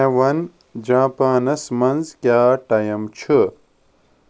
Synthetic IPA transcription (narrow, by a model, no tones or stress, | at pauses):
ewɐn | d͡ʑãːpaːnɐsmɐnzkʲjaːʈɐjɐmt͡ɕʰɨ